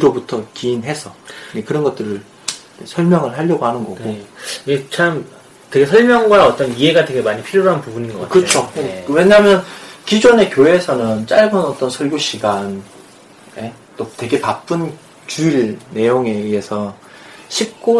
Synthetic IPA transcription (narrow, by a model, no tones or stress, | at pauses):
iɾobutʰʌkiːnɦe̞sʰʌekɯɾʌnɡʌt͈̚ɯɾɯɭ | sʰʌɭmjʌŋɯɭɦaʎːʌɡoɦhanɯnɡʌɡoiɡet͡ɕʰam | twe̞ɡesʰʌɭmjʌŋɡwaʌt͈ʌnie̞ɡadtwe̞ɡe̞maɲipʰiɾjoɾɦanpubuɲinɡʌ̰kakɯt͡ɕʰokwe̞ɲaɦamjʌnkid͡ʑone̞kjoe̞sʰʌnɯnt͡ɕ͈aɭɡɯnʌt͈ʌnsʰʌɭɡjoɕʰiɡan | e | t͈otwe̞ɡe̞pap͈ʰɯn | t͡ɕuiɭne̞joŋe̞esʰʌ | ɕʰip̚k͈o